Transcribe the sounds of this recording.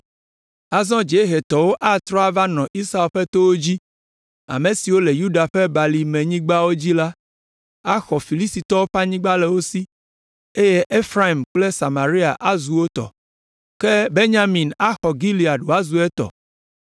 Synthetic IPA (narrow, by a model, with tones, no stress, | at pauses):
a˨zɔ̃˦d͡ʒe˨˦ɦe˨t̪ɔ˨wo˦ʔa˦t̪ɾɔ˦a˦va˦nɔ̃˨ʔi˦sa˦e˨lɸe˦t̪o˦wo˦d͡ʑi˦ | a̰˨mẽ˨si˨wo˦le˨ju˦ɖa˨ɸɛ˦ba˨li˨mẽ˨ɲĩ˦ɡ͡ba˦wo˦d͡ʑi˦la˦ | a˦xɔ˨fi˨li˦st̪i˨t̪ɔ˦wo˦ɸa˦ɲĩ˦ɡ͡ba˦lɛ˨wo˦si˦ | e˦je˦ʔe˦fɾa˦i˨mk͡plɛ˦sa˨ma˨ɾi˦a˨ʔa˦zu˨wo˦t̪ɔ̰˨ | ke˦be˦ɲa˦mĩ˨na˦xɔ˨ɡi˦li˨a˨ɖu˨a˦zu˨ɛ˦t̪ɔ̰˨